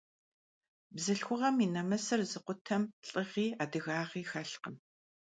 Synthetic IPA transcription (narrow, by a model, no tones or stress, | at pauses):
bzɨɬxʷʊʁɐminɐmɐsɐrzɨqʷʊtʰɐmɬʼɨʁiːaːdɨɣaːʁiːxɐɬqəm